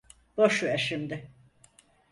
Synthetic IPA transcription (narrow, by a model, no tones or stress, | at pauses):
b̥oʃueʃimd̪ɪ